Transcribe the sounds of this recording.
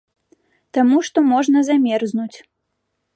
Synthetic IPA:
t̪amuʂt̪ɔmɔʐnɐzamʲɛrznut͡sʲ

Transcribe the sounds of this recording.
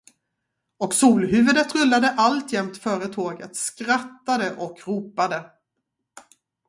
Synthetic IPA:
ɔksuːlɦʉ̟ːvɵd̪ət̪ɾɵlːad̪əʔalt̪jɛmt̪fœːɾət̪ʰoːɡət̪skɾat̪ːad̪əʔɔkɾuːpad̪ə

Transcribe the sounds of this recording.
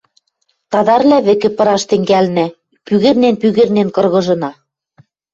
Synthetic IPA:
t̪ɑðɑrlʲæβɘ̆kɘ̆pɤ̆ɾɑʃt̪ɘ̆ŋɡælnæ | pyɣɘ̆rnenpyɣɘ̆rnenkɤ̆rɣɤ̆ʒɤ̆nɑ

